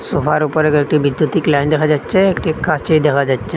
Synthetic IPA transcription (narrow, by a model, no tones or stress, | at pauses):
sofʰaɾupəɾekek̚ʈibɪd̪jut̪iklaɪnd̪ekʰad͡ʒatːt͡ʃʰeekʈikʰːat͡ʃeid̪ekʰad͡ʒatːt͡ʃʰe